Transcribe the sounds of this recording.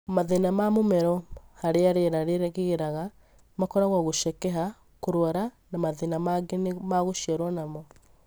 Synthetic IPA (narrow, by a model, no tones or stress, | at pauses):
maðenamamomɛɾɔhaɾeaɾeɾaɾeɾɣeɣeɾaɣa | makɔɾaɣwaɣoʃɛkɛɦa | koɾwaɾa | namaðenamaɡenmaɣoʃiaɾwɔnamɔ